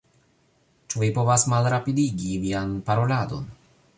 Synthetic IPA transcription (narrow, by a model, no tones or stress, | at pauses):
t͡ʃuvipo̞vasmalɾapidiɡivianpaɾo̞lado̞̰n